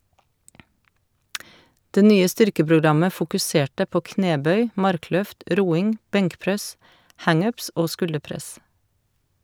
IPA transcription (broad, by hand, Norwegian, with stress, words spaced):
ˈdeː ˈnyːə ˈstʏɾkəpɾʊˌɡɾɑmə fʊkʉˈseːʈə ˈpoː ˈkneːˌbœʏ ˈmɑɾˌklœft ˈɾuːɪŋ ˈbɛŋkˌpɾɛs ˈhɑŋ ˈʉːps ˈoː ˈskʉldəˌpɾɛs